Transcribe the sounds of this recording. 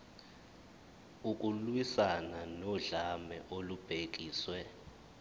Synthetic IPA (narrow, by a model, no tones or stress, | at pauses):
uk̬ʼulwisananɔɮamɛ̰ʔolub̥ʱek̬iːswɛ